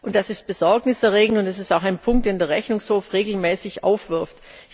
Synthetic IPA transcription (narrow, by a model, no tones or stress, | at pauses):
ʔʊnt̚d̥asɪst̚b̥əzɔɐɡnɪsɛɐʁeːɡŋ̩tʊntɛs̬ɪstaʊxaɪnpʰʊŋktd̥eːndeːɐʁɛçnʊŋshoːfʁeːɡl̩mɛːsɪçʔa̰ʊfv̥ɪɐft